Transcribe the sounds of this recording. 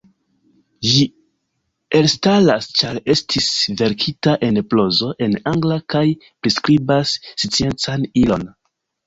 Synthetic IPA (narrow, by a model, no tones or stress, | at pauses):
ʒi | e̞lstalast͡ʃaɾe̞stʰisve̞ɾkʰitaʔe̞nplo̞zo̞ʔe̞naŋɡlakaj | pɾiskɾibasːit͡sie̞nt͡sanilo̞̰n